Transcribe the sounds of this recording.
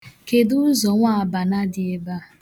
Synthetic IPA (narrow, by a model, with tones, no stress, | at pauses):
ke˨du˦zɔ˨ŋʷa˦a˨ba˨na˦dɪ˨e˦ba˦